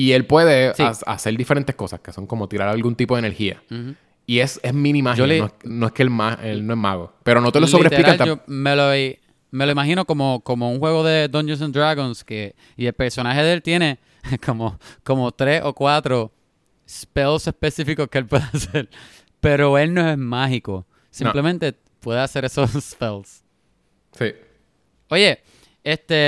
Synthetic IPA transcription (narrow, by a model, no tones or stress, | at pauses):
ie̞lpwe̞ðesia̰se̞ɾd̪ifeɾent̪ehko̞sa̰skeso̞ŋko̞mo̞t̪iɾaɾalɡunt̪ipo̞ðeneɾhia̰ | iesezmĩnĩmahd͡ʒolonoekemaelnoeɦmaɣo̰pe̞ɾonot̪elossoβiet̪eliɾkalt̪d͡ʒomelo | me̞loimaɦino̞ko̞moko̞mouŋhwe̞ɣoðe̞d̪õnd͡ʒeɾs̬ond̪ɾaɣõnske | ielpe̞ɾso̞naɦe̞ðeelt̪je̞ne̞ | kʰomoko̞mot̪ɾe̞so̞kwat̪ɾo̞ | spelse̞spesifikokeelpwe̞ðease̞ɾ | pe̞ɾo̞e̞lno̞e̞zmaɦiko̞̰ | sinmple̞mẽnt̪e̞ | pweðease̞ɾesospels | si | o̞je̞ | est̪e